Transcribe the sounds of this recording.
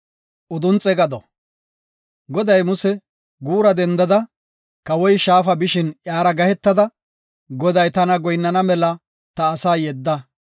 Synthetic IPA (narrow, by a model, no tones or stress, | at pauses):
ʔʊd̪ʊnt͡sʼɛɡɐd̪ɔ | ɡɔd̪ɐjmʊsɛ | ɡuːɾɐd̪ɛnd̪ɐd̪ɐ | kɐwɔjʃaːfɐbɪʃɪnjaːɾɐɡɐhɛt̪ːɐd̪ɐ | ɡɔd̪ɐjt̪ɐnɐɡɔjnːɐnɐmɛlɐ | t̪ɐːsaːjɛd̪ːɐ